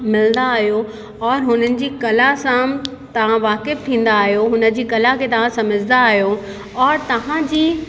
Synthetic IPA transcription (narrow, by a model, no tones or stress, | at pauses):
mɪlə̃nd̪aːɦijo | ɔːɾɦʊnənɪ̆d͡ʑiːkɐlasã | t̪ɐʋ̤ãʋaːkɪf̚t̪ʰĩːn̆d̪aːɦijoɦʊnə̆d͡ʑiːkɐlakʰet̪ɐʋ̤ãsɐməd͡ʑɪnd̪aːɦijo | ɔːɾt̪ɐʋ̤ãd͡ʑiː